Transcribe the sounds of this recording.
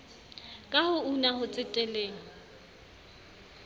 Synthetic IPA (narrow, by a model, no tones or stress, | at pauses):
kʼahʊunahʊt͡sʼɪtʼɛleːŋ̩